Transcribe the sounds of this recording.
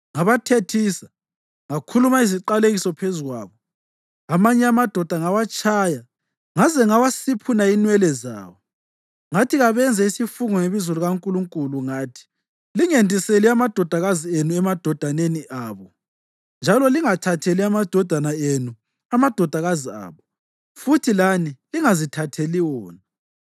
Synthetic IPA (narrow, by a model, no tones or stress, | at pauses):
ŋaβatʰetʰiːsḁ | ŋakʰulumaiziǃaleɣisɔpʰezuɣwa̰ːβɔ | amaɲɛamad̥ʱɔd̥ʱaŋawat͡ʃʰʼaːja | ŋazɛŋawasipʰunainwɛlɛza̰ːwɔ | ŋatʰiɣaβɛnd͡zʱaisifuŋɔŋeβizuluɣaŋkʼuluŋkʼuluŋaːtʰi̥ | liŋendʱʼiseliamad̥ʱɔd̥ʱaɣazienuɛmad̥ʱɔd̥ʱaneniʔaːβɔ | nd͡ʒʱalɔliŋatʰatʰeliamad̥ʱɔd̥ʱanaenu | amad̥ʱɔd̥ʱaɣazia̰ːβɔ | futʰilaniliŋazitʰatʰeliwɔːna